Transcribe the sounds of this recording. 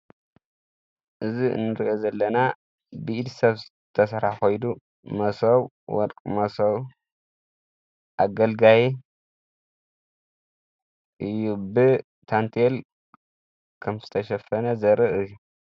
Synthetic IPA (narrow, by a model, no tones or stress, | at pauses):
ʔɨziɨ̰nːɨɾiʔozɐlːɐna | bɨʔid̪sɐβ | t̪ʰɐsɐɾaħxo̞jd̪u | mɐsɐw | wɔ̰ɾkʼmɐsɐw | ʔaɡɐlɡaji | ʔɨjːubɨ | t̪ʰant̪ʰel | kʰɐmzɨt̪ʰɐʃɐfɐnɐzɐɾɨʔɨjːu